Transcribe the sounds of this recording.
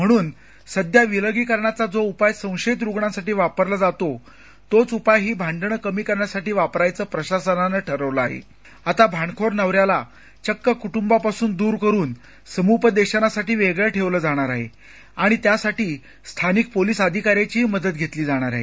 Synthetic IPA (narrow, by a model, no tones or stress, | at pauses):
m̤əɽ̃uːn | səd̪ʱjaʋiləɡiːkəɾɳjat͡sad͡zoupajsə̃w̃ɕet̪̬ɾuɡɳãsaʈiːʋapəɾlad͡zat̪o | t̪ot͡supajɦiːbʱãɳɖəɳkəmiːkəɾɳjasaʈiːʋapɾajt͡səːpɾəɕasənanəʈʰəɾəʋləaɦḛ | at̪abʱaɳkʰoɾnəʋɾjala | t͡ɕəkːəkuʈumbapasuːnd̪uːɾkəɾuːn | səmupəd̪eɕənasaʈiːʋeɡɭeʈʰeʋləd͡zaɽ̃aɾaɦḛ | aɽ̃it̪jasaʈiː | st̪ʰanik̚poliːsəd̪ʱikaɾjat͡ɕiːɦməd̪ət̪ɡʱet̪liːd͡zaɽ̃aɾaɦḛ